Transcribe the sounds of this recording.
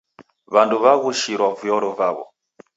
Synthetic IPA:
βanduβaɣuʃiɾwavujɔɾɔvaβɔ̰

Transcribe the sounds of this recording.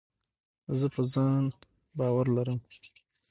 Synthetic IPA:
zəpəzɑn | bɑwaɾlaɾəm

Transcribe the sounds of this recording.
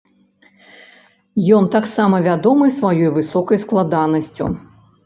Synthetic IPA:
jɔnt̪aksamɐvʲad̪ɔmɨsvajɔjvɨsɔkɐjsklˠad̪anɐsʲt͡sʲṵ

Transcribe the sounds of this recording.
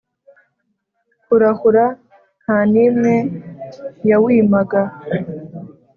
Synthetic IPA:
huɾahuɾa | naːnimŋe | jawiːmaɡa

